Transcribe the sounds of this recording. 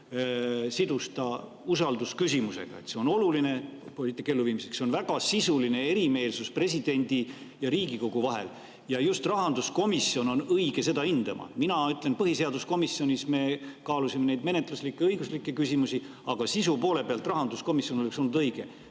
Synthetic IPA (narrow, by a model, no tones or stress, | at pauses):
sid̪ust̪ɑ | usɑld̪uskysimuse̞̰ɡ̥ɑ̰e̞t̪se̞o̞no̞luline̞polit̪ːˑikːelːuviːmisekseonvæɡ̥ɑsisuline̞e̞ɾime̞ːlsuspre̞s̬id̪̥e̞nʲd̪̥ijɑɾiːɡiko̞ɡ̥uvɑɦe̞̰l | jɑjust̪rɑɦɑnd̪usko̞misːio̞no̞nɤijɡ̥e̞se̞d̪ɑind̪̥ɑmɑ̰minɑyt̪ˑle̞npɤɦise̞ɑd̪̥usko̞misːio̞nʲisme̞kɑːlusimene̞jd̪me̞net̪ˑluslikːe̞ɤjɡ̥uslikːe̞kysʲimusi | ɑɡ̥ɑsisupo̞ːle̞peɑlt̪ːˑrɑɦɑnd̪usko̞misjo̞noleksolnːud̪ɤjɡ̥e̞